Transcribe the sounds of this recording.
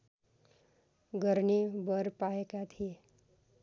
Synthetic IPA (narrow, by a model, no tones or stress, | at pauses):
ɡʌɾnebʌɾpaekat̪ʰie